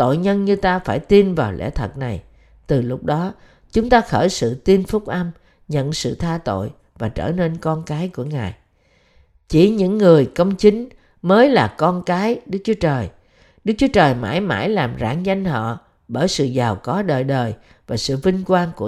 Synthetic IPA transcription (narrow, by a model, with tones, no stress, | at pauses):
t̪o̰˧˨jɲə˧nɲɨ˧t̪aː˧faː˧˩jt̪i˧nvaː˨˩wlɛ̰˧˥t̪ʰə˨˩k̚na˨˩j | t̪ɨ˨˩lʊ˦˥k͡p̚ɗɔ˨˦ | t͡ɕʊ˨˦ŋ͡mt̪aː˧xəː˧˩jsɨ̰˧˨t̪i˧nfʊ˦˥k͡p̚ʔa˧m | ɲə̰˧˨nsɨ̰˧˨t̪ʰaː˧t̪o̰˧˨j | vaː˨˩t͡ɕə̰ː˧˩ne˧nkɔ˧nkaː˨˦jku˧˩əŋaː˨˩j | t͡ɕi˧˩ɲɨ̰˧˥ŋːɨ˨˩əjkə˧wŋ͡mt͡ɕi˨˦ŋ̟ | məː˨˦jlaː˨˩kɔ˧nkaː˨˦jɗɨ˦˥k̚t͡ɕu˨˦ət͡ɕəː˨˩j | ɗɨ˦˥k̚t͡ɕu˨˦ət͡ɕəː˨˩jma̰ː˧˥jma̰ː˧˩jlaː˨˩mza̰ː˧˩ŋza˧jŋ̟hɔ̰˧˨ | ɓəː˧˩jsɨ̰˧˨zaː˨˩wkɔ˨˦ɗəː˨˩jɗəː˨˩j | vaː˨˩sɨ̰˧˨vï˧ŋ̟kwaː˧nku˧˩ə